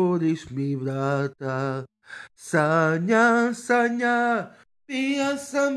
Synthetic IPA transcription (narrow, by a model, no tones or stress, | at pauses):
oɾismiβɾat̪a | saɲasaɲa | piasam